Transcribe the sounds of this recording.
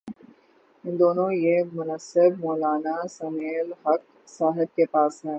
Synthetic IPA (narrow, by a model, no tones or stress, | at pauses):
ɪ̃nd̪oːnõjemʊnəsɪbmɔːlaːnasɐmeːlɦɐk̚ | saːɦɪb̪̚kepaːsɦɛː